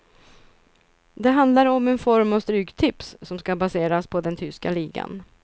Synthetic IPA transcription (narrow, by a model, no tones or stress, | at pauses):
d̪ɛɦand̪laɾɔmɛnfɔɾmavst̪ɾyːɡt̪ʰɪpsːɔmskabaseːɾaspʰɔd̪ɛnt̪ʰʏskaliːɡa̰n